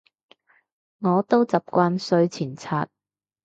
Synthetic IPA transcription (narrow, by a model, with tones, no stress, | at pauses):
ŋɔː˨˧t̪o˥wt͡sɐ˨p̚kʷaː˧nsɵ˧ɥt͡sʰiː˨˩nt͡sʰaː˧t̚